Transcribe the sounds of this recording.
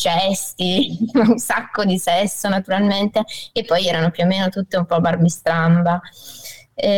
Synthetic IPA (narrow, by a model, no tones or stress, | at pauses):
t͡ʃɛst̪i | sakːod̪isɛsːonat̪uɾalment̪eepːɔjɛːɾanopjomːeːnot̪ut̪ːeumpɔbarmist̪ɾamba